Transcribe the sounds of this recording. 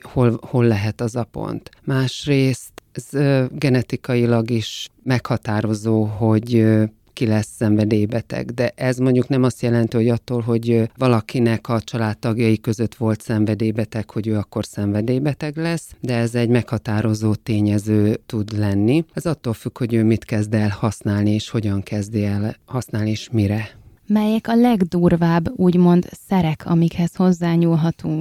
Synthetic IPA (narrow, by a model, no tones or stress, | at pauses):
ho̞lho̞lːɛɦɛt̪ɒzɒpo̰nt̪maːʃreːst̪ɛzɡɛnɛt̪ikɒjilɒɡiʃmɛkhɒt̪aːɾo̞zoːɦo̞ɟ | kilɛsːɛɱvɛd̪eːjbɛt̪ɛ̰ɡd̪ɛʔɛzmo̞ɲɟuknɛmɒst̪jɛlɛnt̪iho̞ɟɒt̪ːoːlɦo̞ɟvɒlɒkinɛkɒt͡ʃɒlaːt̪ːɒɡjɒjikø̞zø̞t̪ʋo̞lt̪sɛɱvɛd̪eːbɛt̪ɛkho̞ɟøːɒkːo̞rsɛɱvɛd̪eːjbɛt̪ɛɡlɛsd̪ɛɛzɛɟmɛkhɒt̪aːɾo̞zoːt̪eːɲɛzøːt̪ud̪lɛnːiɛzɒt̪ːoːlfykho̞ɟøːmit̪kɛzd̪ɛlhɒsnaːlnieːʃho̞ɟɒŋkɛzd̪iɛlhɒsnaːlnieːʃmiɾɛ | mɛjɛkɒlɛɡd̪uːrvaːbːuːɟmo̞nd̪sɛɾɛkʰɒ̰mikhɛsho̞zːaːɲuːlɦɒt̪uŋk